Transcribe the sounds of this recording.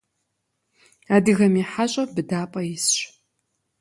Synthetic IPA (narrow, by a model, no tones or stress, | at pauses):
aːdɨɣɐmiːħaɕʼɐbɨdaːpʼɐjɪsɕ